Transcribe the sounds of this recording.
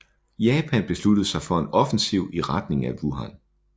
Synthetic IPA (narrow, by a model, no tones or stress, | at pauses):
jɛːpʰænb̥e̝slud̥ð̩ˠsɑ̈ɪfɒ̽enɒ̽fn̩siʊ̰iʁɑd̥ne̝ŋæʋuɦɑ̰n